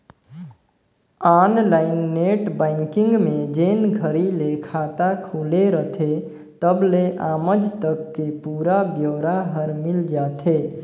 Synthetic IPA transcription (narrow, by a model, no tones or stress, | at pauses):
anlaɪnːeʈbãɪŋkɪ̃ŋɡmed͡ʒenɡʱəɾilekʰat̪akʰuleɾət̪ʰe | t̪əbleʔaːməd͡ʒt̪əkːepuːɾabjoːɾaɦəɾmild͡ʒat̪ʰe